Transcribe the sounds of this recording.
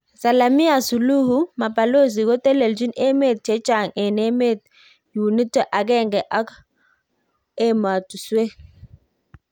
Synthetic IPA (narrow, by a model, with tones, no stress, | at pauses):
sa˨la˨mi˦a˨su˨lu˦hu˦ma˨pa˨lo˦˨z̬i˨ɡɔ˦te˦le˨ld͡ʒi˦ne˦me˦˨t̚t͡ʃe˦t͡ʃa˨ŋɛ˨ne˦me˦˨t̚ | ju˨ni˦ta˨ʔa˨ɡɛ˦˨ŋɡɛ˨ʔa˦k | e˦ma˨tu˨swe˦